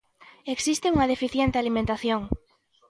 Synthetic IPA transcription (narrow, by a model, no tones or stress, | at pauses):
eksist̪ɪuŋɐðefiθjent̪ɪalimẽnt̪aθjoŋ